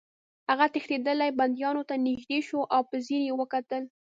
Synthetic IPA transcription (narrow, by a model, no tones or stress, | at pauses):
haɣat̪ɪxt̪ed̪əlajband̪jɑnot̪anɪʒd̪eʃoʔawpəziɾjewəkat̪əl